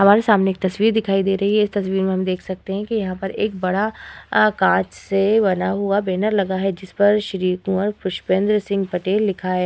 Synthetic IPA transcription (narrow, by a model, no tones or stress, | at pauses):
ɦɐmaːɾesaːmneeːk̚t̪ɐsʋiːɾd̪ɪkʰaːid̪eːɾɐɦiɦɛɪst̪ɐsʋiːɾmẽɦɐmd̪eːkʰsɐk̚t̪eɦɛ̃kijɐɦãpɐɾeːk̚bɐɽakãːt͡ʃsebɐnaɦuabɛːnəɾlɐɡaɦɛd͡ʒɪspɐɾʃɾiːkũɔɾpʊʃpẽːnd̪ɾsɪ̃ŋɡpɐʈeːlːɪkʰaɦɛː